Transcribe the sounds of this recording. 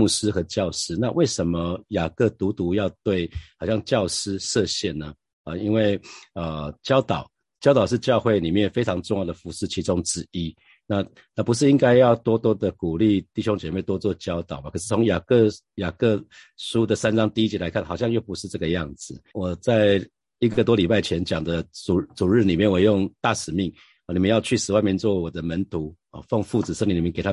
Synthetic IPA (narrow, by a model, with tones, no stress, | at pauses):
mu˥˩ʂ̩˥xɤ˧˥t͡ɕjɑ˥˨ʊʂɻ̩˥na˥˧wʔe˥˩ɪʂə˧˦nmə˧ja˨˩kɤ˥˧t̪u˧˥t̪u˧˥jɑ˥˧ʊt̪we˥˩ɪxɑ˨˩ɕjɑ˥˧ŋt͡ɕjɑ˥˨ʊʂɻ̩˥ʂɤ˥˧ɕjɛ˥˨nnə˩ | ə˨˩i˥nwe˥˩ɪə˩t͡ɕjɑ˥ʊt̪ɑ˨˩ʊ | t͡ɕjɑ˥ʊt̪ɑ˨ʊʂɻ̩˥˧t͡ɕjɑ˥˧ʊxwe˥˩ɪni˨˩mjɛ˥˩fe˥ɪʈ͡ʂʰɑ˧˥ŋʈ͡ʂʊ˥˧ŋjɑ˥˩d̪ə˩fu˧˥ʂɻ̩˥˩t͡ɕʰi˧˥ʈ͡ʂʊ˦ŋʈ͡ʂɻ̩˥˧i˦ | na˥˧ | na˥˩pu˧ʂ̬̩˥˩i˦˥ŋka˥ɪjɑ˥˩ʊt̪wɔ˥t̪wɔ˥d̪ə˨ku˨˩li˥˧t̪i˥˩ɕjo˥ŋt͡ɕjɛ˨˩me˥˩ɪt̪wɔ˥t̪wɔ˥˧t͡ɕjɑ˥ʊt̪ɑ˨˩ʊma˨˩kʰɤ˨˩ʂ̬ɻ̩˥˩t͡sʰo˧˥ŋja˨˩kə˥˧ | ja˨˩kɤ˥˩ʂu˥d̪ə˨sa˦˥nʈ͡ʂɑ˥ŋt̪i˥˧i˦˥t͡ɕjɛ˧˥la˧˦ɪkʰa˥˩nxɑ˨ʊɕjɑ˥˧ŋjo˥˩ʊpu˧˦ʂɻ̩˥˧ʈ͡ʂɤ˥˩ɡə˩jɑ˥˩ŋd͡zɹ̩˩wɔ˨˩t͡sa˥˧ɪ | i˧˥ɡə˨˩t̪wɔ˥li˨˩pa˥˩ɪt͡ɕʰjɛ˧˦nt͡ɕjɑ˨˩ŋd̪ə˦t͡su˨˩t͡su˨˩ɻɻ̩˥˩ni˨˩mjɛ˥˩nwe˨˩ɪjo˥˧ŋt̪a˥˩ʂɻ̩˨˩mi˥˩ŋ˨˩ | ni˨˩mə˦jɑ˥˧ʊt͡ɕʰy˥˩ʂɻ̩˨˩wa˥˧ɪmjɛ˧˥nt͡swɔ˥˩wɔ˨˩d̪ə˦mə˧˦nt̪ʰu˧˦ | ɔ̰˥˨fɑ˥˧ŋfu˥˩t͡s̩˨˩ʂə˥˩ŋli˧˥li˨˩˧ke˨˩a˥